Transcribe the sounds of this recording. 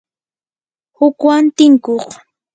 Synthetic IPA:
hʊkwant̪ɪŋkoχ

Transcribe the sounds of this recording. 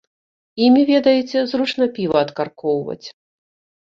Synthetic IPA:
imʲivʲɛd̪ɐjɛt͡sʲɛzrut͡ʂn̪ɐpʲivɐːt̪karkɔwvɐ̰t͡sʲ

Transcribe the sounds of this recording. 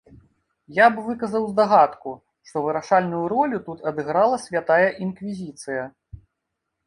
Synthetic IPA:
jabvɨkɐzɐwzd̪aɣat̪ku | ʂt̪ɔvɨɾaʂalʲnujuɾɔlʲut̪ut̪ɐd̪ɨɣɾalˠɐsʲvʲat̪ajɐʔinkvʲizʲit̪sɨjɐ

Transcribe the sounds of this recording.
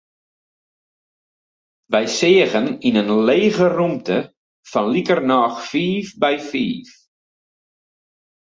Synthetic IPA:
ʋɛjsɪəɣəninənleːɣərumtə | fɔnlikərnɔːxfiːfbɛjfḭːf

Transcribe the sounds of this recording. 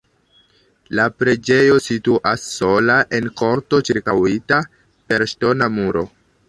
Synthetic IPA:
lapɾe̞d͡ʒe̞jo̞situʔasːo̞laʔenko̞ɾto̞t͡ʃiɾkawita | pe̞ɾʃto̞namuɾo̞̰

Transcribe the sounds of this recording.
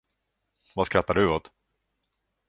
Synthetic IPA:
vaskɾat̪ːaɖɵot̪

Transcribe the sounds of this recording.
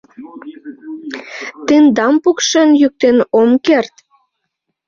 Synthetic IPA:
t̪end̪ɑmpukʃənjyk̚t̪enomkert̪

